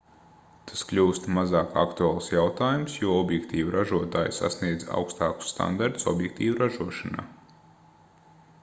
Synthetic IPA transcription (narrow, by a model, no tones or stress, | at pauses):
t̪ʰḁsklʲuːst̪mazaːka̰kt̪uaːlˠsjawt̪aːjumsjuɔɔbjɛkt̪iːvuɾʔaʒuɔt̪aːjsa̰sniɛd̪za̰wkst̪ɑːku̥sːt̪a̰nd̪aɾt̪u̥sɔ̰bjɛk̚t̪iːvuɾaʒuɔʃana̰ː